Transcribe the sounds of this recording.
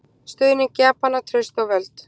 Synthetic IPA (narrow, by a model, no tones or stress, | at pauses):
st̪ʏðnɪcaːpanat̪ʰɾœɥst̪awvɛlt̪